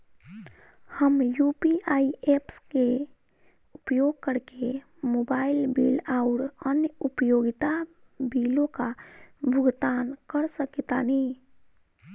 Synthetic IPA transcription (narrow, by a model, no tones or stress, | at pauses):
həmjupiaiepske | upjoɡ̚kəɾke | mobaːilbilaʊɾənjupjoɡit̪a | bilõkabʱʊɡt̪ankəɾsəkit̪ani